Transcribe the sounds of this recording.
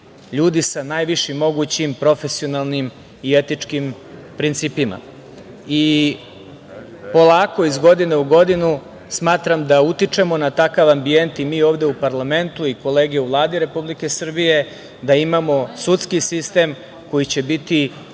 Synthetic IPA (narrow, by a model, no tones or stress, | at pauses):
ʎuːd̪isanajʋiʃimːo̞ɡut͡ɕimpɾo̞fe̞sio̞nalˠnim | ie̞t̪it͡ʂkim | pɾint̪siːpima̰ | i | po̞lˠaːko̞izɡo̞d̪ine̞uɡo̞d̪inu | smaːt̪ɾamd̪aut̪it͡ʂe̞mo̞nat̪akaʋambie̞nt̪imiːo̞ːvd̪e̞upaɾlˠame̞nt̪uiko̞le̞ːɡeuʋlˠaːd̪iɾe̞publike̞sr̩bije̞ | d̪aimamo̞sut̪skisist̪e̞m | ko̞jit͡ɕe̞bit̪i